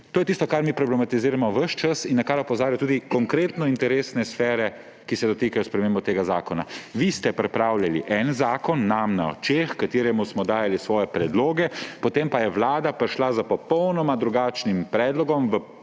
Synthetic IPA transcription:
t̪oːjɛt̪iːst̪ɔkaɾmiːpɾɔblɛmat̪iziːɾamɔʋəʃt͡ʃəsinːakaɾɔpɔzaːɾjɔt̪uːd̪ikɔŋkɾeːt̪nɔint̪ɛɾeːsnɛsfɛːɾɛ | kisɛd̪ɔt̪iːkajɔspɾɛmeːmbɔt̪eːɡaza̰ːkɔna̰ʋist̪ɛpɾɛpɾaːwljalḭʔɛnzaːkɔnːamna̰ɔ̰t͡ʃexkat̪eːɾɛmusmɔd̪aːjalisʋɔːjɛpɾɛd̪loːɡɛpɔt̪empajɛʋlaːd̪apɾiʃlazapɔpɔwnɔmad̪ɾuɡaːt͡ʃnimpɾɛːd̪lɔɡɔmʋə

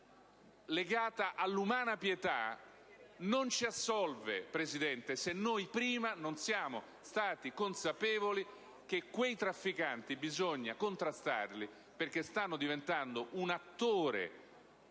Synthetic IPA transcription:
leɡaːt̪aʔalːumaːnapjet̪a̰ | nont͡ʃiasːɔlvepɾezid̪ɛnt̪esenːojpɾiːmanonsjaːmo | st̪aːt̪ikonsapɛːvoli | k̟ekːwejt̪ɾafːikant̪ibizoɲːakont̪ɾast̪a̰rli | perkest̪anːod̪ivent̪and̪oʔunat̪ːoːɾḛ

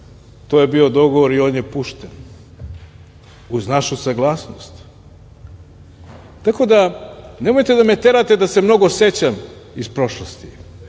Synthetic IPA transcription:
t̪ojebio̞d̪o̞ɡoʋo̞ɾio̞ːnjepuʃt̪en | uznaʃusaɡlˠaːsnost̪ | t̪ːako̞d̪ane̞mo̞jt̪e̞d̪ame̞t̪eɾat̪e̞d̪asemno̞ɡose̞t͡ɕamispɾo̞ʃlˠost̪i

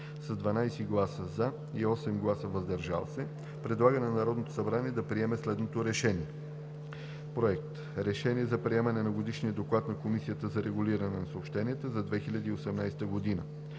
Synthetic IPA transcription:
sɐzd̪vɐnajsiɡlˠasəza | iɔsɛmɡlˠasəvɐzd̪ɐɾʒa̰lˠsɛ | pɾɛd̪lˠaɡənɛnnɐɾɔd̪not̪o̥sɐbɾaniɛd̪ɐpɾiɛmɛslɛd̪not̪oɾɛʃɛniɛ | pɾoɛk̚t̪ | ɾɛʃɛniɛzɐpɾiɛmɐnɛnɐɡod̪iʃniəd̪oklˠat̪nɐkomisijət̪əzɐɾɛɡuliɾɐnɛnɐsəopʃt̪ɛniɛt̪əzɐd̪vɛxilʲɐd̪iːosɛmnajsɛ̥t̪əɡod̪inə̰

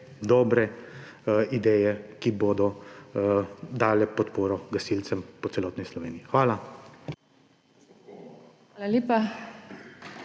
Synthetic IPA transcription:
d̪ɔːbɾɛ | id̪ɛːjɛkiboːd̪ɔ | d̪aːlɛpɔt̪poːɾɔɡɐsilt̪sɛmpɔt̪ɛlɔːt̪nislɔʋeːniixʋaːla | alaleːpa

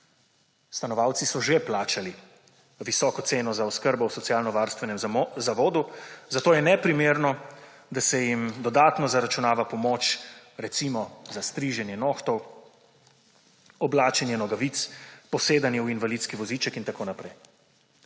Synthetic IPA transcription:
st̪anɔʋawt̪sisɔʒeplaːt͡ʃali | ʋisɔːkɔt̪seːnɔzaɔskəɾbɔwsɔt̪sialnɔʋaːɾst̪ʋɛnɛmzaʋoːd̪uzat̪oːjɛnɛpɾimeːɾnɔd̪asɛjimd̪ɔd̪at̪nɔzaɾat͡ʃunaːʋapɔmoːt͡ʃɾɛt̪simɔzast̪ɾiʒɛnjɛnoːxt̪ɔw | ɔblaːt͡ʃɛnjɛnɔɡaʋit̪spɔseːd̪anjɛuinʋalit̪skiʋɔzit͡ʃɛkint̪akoːnapɾɛj

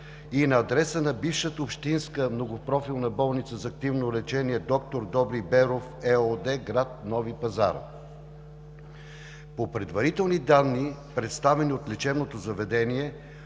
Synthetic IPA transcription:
inɐːd̪ɾɛsənɐbifʃət̪əʊpʃt̪inskəmnoɡopɾɔfilˠnɐbɔlˠnit̪səzɐːk̚t̪ivnolɛt͡ʃɛniɛd̪ɔkt̪oɾd̪ɔbɾibɛɾofɛod̪ɛɡɾat̪̚nɔvipɐza̰ɾ | popɾɛd̪vɐɾit̪ɛlˠnid̪anːipɾɛt̪st̪avɛniot̪lɛt͡ʃɛbnot̪ozɐvɛd̪ɛniɛ

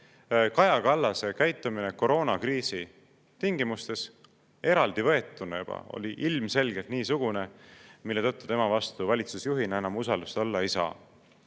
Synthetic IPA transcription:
kɑjɑkɑlːɑse̞kæjt̪ːˑumine̞ko̞ɾo̞ːnɑkriːsi | t̪iŋɡimust̪e̞s | e̞ɾɑld̪̥ivɤ̞e̞t̪ːˑunejub̥ɑ̰o̰liʔilmse̞lɡ̥elt̪niːsuɡ̥une̞milːe̞t̪ɤt̪ːu̥t̪e̞mɑvɑst̪uvɑlʲit̪susjuɦineenɑmusɑld̪ust̪o̞lːɑejsɑ̰ː

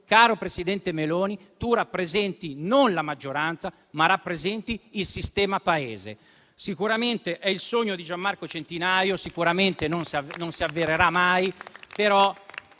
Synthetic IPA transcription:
kaːɾopɾesid̪ɛnt̪emeloːni | t̪urapːɾezɛnt̪inonlamad͡ʒːoɾant̪sa | marapːɾezɛnt̪iːlsist̪ɛːmapaeːzḛ | sikuɾament̪eʔɛilsoɲːod̪id͡ʒamːarkot͡ʃent̪inajosikuɾament̪enonsiavnonsiavːeɾeɾamajpeɾɔ

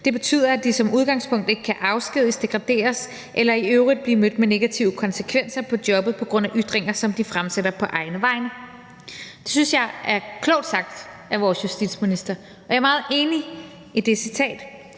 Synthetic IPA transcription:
d̥e̝b̥e̝t͡sʰy̰ːð̰ˠɐæd̥isɒ̽muð̞ˠɡ̥ɑ̈ŋ̰spʰɔ̽ŋ̰d̥e̝ɡ̥ə̥kʰæʔɑ̈ʊsɡ̥iðˠisd̥e̝ɡ̥ʁɑ̈d̥e̝̰ːɐs | ʔelɐiøʊʁid̥̚b̥liːmød̥mene̝ɡ̥æt͡sʰiʊəkʰɒ̽nsəkʰʋen̰sɐpʰɒ̽d̥jɒ̽b̥ð̩ˠpʰɒ̽ɡ̥ʁɔ̽n̰æʔyd̥ʁeŋɐsɒ̽md̥ifʁamseɾɐpʰɒ̽ʔɑ̈ɪnəʋɑ̈ɪnə | d̥e̝synsjɑ̈ɪæɐkʰlɔɒʊ̰d̥sɑ̈ɡ̥̚d̥ | æʋɒːsjusd̥id̥sminisd̥ɐ | ɒ̽jäɐmɑ̈ːð̩ˠe̝ːni | id̥e̝sit͡sʰɛ̰ːd̥

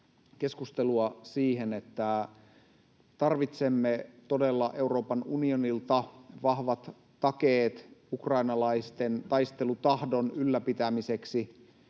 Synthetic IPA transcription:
ke̞skust̪e̞luɑsiːɦenet̪ːæ | t̪ɑrʋit̪se̞mːet̪o̞de̞lːɑʔe̞uɾo̞ːpɑnunionilt̪ɑʋɑhʋɑt̪ː | ɑkeːt̪ukrɑinɑlɑist̪ent̪ɑjst̪elut̪ɑhdo̞nylːæpit̪æmise̞ksi

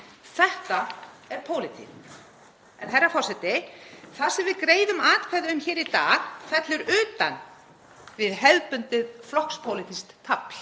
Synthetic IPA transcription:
θɛht̪aɛɾpʰowlɪt̪ʰḭn | ɛnθɛɾːafɔr̥sɛt̪ɪθaðsɛmvɪðkɾeːjðʏmaːt̪̚kʰvɛɣðʏʏmçɛːɾit̪aːɣθɛt̪lʏɾʏːt̪a̰n | vɪðhɛlpʏnt̪ʏðflɔhkspʰowlɪt̪ʰist̪t̪ʰːapl̥

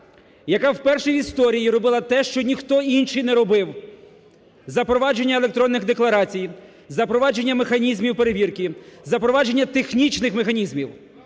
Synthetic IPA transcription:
jɐkɑwpɛrʃijist̪ɔɾʲijiɾɔbɪlˠɐt̪ɛʃt͡ʃɔnʲixt̪ɔinʃijnɛɾɔbɪw | zɐpɾɔʋɑd͡ʒe̞nʲːɐelˠe̞k̚t̪ɾɔnːɪɣd̪eklˠɐɾɑt͡sʲij | zɐpɾɔʋɑd͡ʒe̞nʲːɐmexɐnʲizmʲiwpe̞ɾeʋʲirkizɐpɾɔʋɑd͡ʒe̞nʲːɐt̪exnʲit͡ʃnɪxmexɐnʲizmʲiw

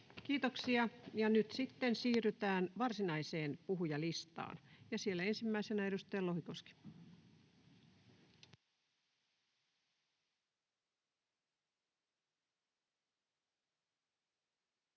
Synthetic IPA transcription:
kiːt̪oksiɑjɑnyt̪sit̪ːensiːryt̪æːnʋɑrsinɑiseːnpuɦujɑlist̪ɑ̰ːnjɑsielːæensimːæisenæe̞dust̪ɑjɑlohikoski̥

